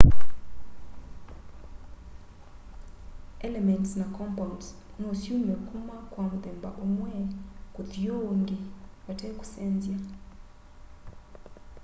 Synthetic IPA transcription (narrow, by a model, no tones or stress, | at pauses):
ɛlɛmɛntsnakɔmpãnts | nosjunmɛkumakwamud̪ɛmbaʔumwɛkud̪joŋɡiwataku̥sɛnzja